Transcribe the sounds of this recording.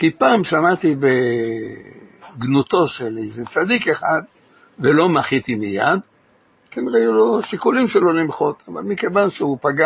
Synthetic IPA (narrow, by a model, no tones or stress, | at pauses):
kipaːmʃamat̪ibe | ɡnut̪o̞ʃelizet͡sad̪ikeχad̪ | velo̞maχit̪imija̰d̪ | kenʁeajulo̞ʃikulimʃelo̞limχo̞t̪ava̰lmike̞vanʃeupaɡa